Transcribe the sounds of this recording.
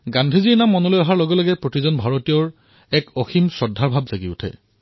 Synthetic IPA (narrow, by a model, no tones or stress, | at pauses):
ɡandʱiziɹnamːɔnɔlojɔɦaɹloɡɔlɔɡɛpɹotizɔnbʱaɹotijɔɹ | ɛkɔximsɔdʱːaɹbʱabzaɡiʊ̰tʰɛ̰